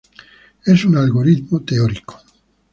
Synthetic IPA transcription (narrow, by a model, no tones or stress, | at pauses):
esunalɣoɾiðmot̪eoɾiko̥